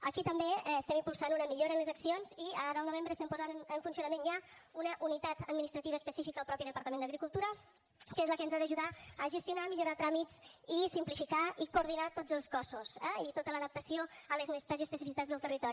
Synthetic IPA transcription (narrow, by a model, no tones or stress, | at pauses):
əkit̪əmbeəst̪ɛmimpulˠsanunəmiʎoɾənləzəksionziə̰aɾəlˠnuβ̞embɾəːst̪ɛmpuzanəɱfunsiunəmenʒaunəʔunit̪at̪əd̪̚minist̪ɾət̪iβəspəsifikəəlˠpɾɔpiðəpəɾt̪əmend̪əɣɾikulˠt̪uɾə | kezləkənzaðəʒuðaəʒəst̪junamiʎuɾat̪ɾamit͡sisimplifikaikuɾð̞inat̪od͡zəlˠskɔsusɛit̪ot̪ələðəp̚t̪əsioələzminisit̪aziəspəsifiit̪ad͡zðəlˠt̪ərit̪ɔɾi